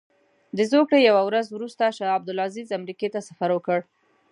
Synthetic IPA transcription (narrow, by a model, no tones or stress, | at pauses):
d̪əzokɽejawawɾazwɾust̪aʃaab̚d̪ʊlazizamɾiket̪asafaɾwəkəɽ